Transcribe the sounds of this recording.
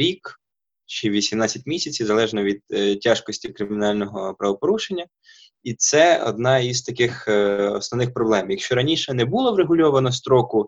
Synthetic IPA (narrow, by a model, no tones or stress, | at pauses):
ɾʲik | t͡ʃɛʋʲisʲimnɑt͡sʲːɐtʲmʲisʲɐt͡sʲizɐlˠɛʒnɔʋʲid̪̚tʲːaʃkɔsʲtʲikɾɪmʲɪnɑlʲnɔɦɔpɾɐʋɔpɔɾuʃenʲːɐ | it̪sɛɔ̰d̪̚nɑizt̪ɐkɪxɔsnɔʋnɪxpɾɔblˠɛmjɐkʃt͡ʃɔɾɐnʲiʃɛnɛbʊlˠɔwɾeɦʊlʲɔʋɐnɔst̪ɾɔkʊ